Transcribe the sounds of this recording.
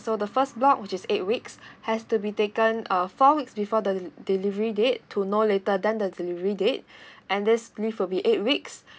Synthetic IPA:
sodəfəsblɔkwɪt͡ʃɪset̚wikshɛstubitekə̃nəfɔwiksbifɔdədilivəɹidettʰːunoletədɛ̃ndədilivəɹidet̚ʔɛ̃ndɪslifwilbiʔet̚wiks

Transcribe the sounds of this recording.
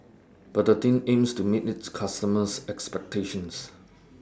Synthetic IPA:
b̥adətĩnẽmstumitɪtskʰastəməsɛkspɛk̚tʰeʃə̃ns

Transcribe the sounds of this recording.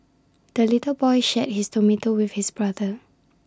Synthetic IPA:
d̥əlitəbɔjʃɛt̚histomitowifhisbɹadə

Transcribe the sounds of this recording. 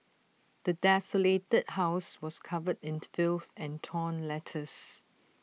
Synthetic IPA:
d̪̥ədɛsoletəd̚haʊswɔskʰavədɪ̃nfɪlθɛ̃ntʰɔ̃nlɛtʰəs

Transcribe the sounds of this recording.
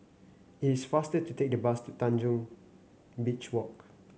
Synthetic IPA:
itisfastətutek̚dəbastutãnd͡ʒũŋ | bit͡ʃwɔk̚

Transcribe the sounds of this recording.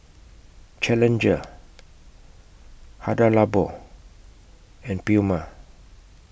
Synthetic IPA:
t͡ʃɛlɛ̃nd͡ʒə | hadalabo | ɛ̃npiuma

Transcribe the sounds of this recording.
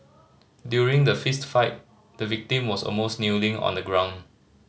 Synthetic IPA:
djuɹĩŋdəfistfaɪt̚ | dəvik̚tĩmwɔsɔ̰lmosnilĩŋɔ̰̃ndəɡɹãʊ̃n

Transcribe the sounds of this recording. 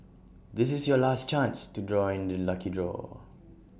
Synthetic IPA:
d̪ɪs̬ɪsjɔlast͡ʃãnstudɹɔɪ̃ndəlakidɹɔ̰

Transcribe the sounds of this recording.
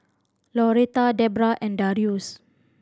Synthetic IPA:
lɔɾet̪adɛbɾaʔɛ̃ndaɾius

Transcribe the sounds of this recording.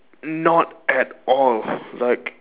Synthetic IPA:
nɔtætɔllaɪk

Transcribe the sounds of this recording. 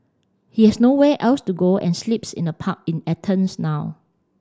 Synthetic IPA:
hihɛsnowɛʔɛlstuɡoʔɛ̰̃nslipsɪ̰̃nəpʰak̚ĩnɛtʰə̃nsnaʊ

